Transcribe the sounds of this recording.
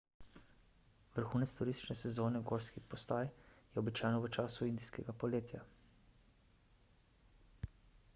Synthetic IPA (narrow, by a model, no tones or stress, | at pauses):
ʋəɾxuːnɛt̪st̪uɾist̪i̥t͡ʃnɛsɛzoːnɛɡoːɾskipɔst̪aːjjɛɔbit͡ʃaːjnɔʋət͡ʃaːsuind̪iskɛɡapɔleːt̪ja